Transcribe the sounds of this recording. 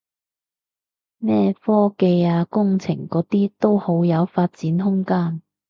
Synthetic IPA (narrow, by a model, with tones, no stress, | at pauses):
nɛː˥fɔː˥ke˧jaː˧kʊ˥ŋt͡sʰɪ̰˨˩ŋkɔː˨˥t̪iː˥t̪o˥who˨˥wjɐ˨˧wfaː˧t̚t͡siː˨˥nɦʊ˥ŋkaː˥n